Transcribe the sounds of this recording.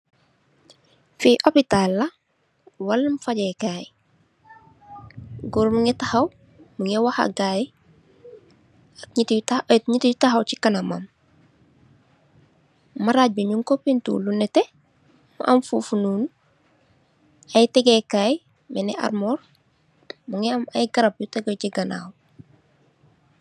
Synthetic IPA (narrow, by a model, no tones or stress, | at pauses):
fiʔopitalːɐ | wɐlːmfaɟɛkaːj | ɡuɾmuŋɛtɐhɐw | muŋɛwahɐ̰ɡaːj | ak̚ɲittaɲitjutaxɐwcikɐnɐma̰m | mɐɾaːc̚biɲuŋkopintṵːlunːɛtɛ | mṵʔɐmfuːfunuːn | ɐjtɛɡɛkaːj | mɛnɛʔa̰rmɔːɾ | muŋɛɐmɐjɡɐɾɐp̚jutɛɡociɡɐna̰ːw